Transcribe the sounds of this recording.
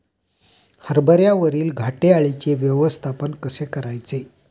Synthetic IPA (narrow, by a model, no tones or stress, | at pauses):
həɾbəɾjaʋəɾiːlɡʱaʈeaɭit͡ɕeʋjəʋəst̪ʰapənkəsekəɾajt͡se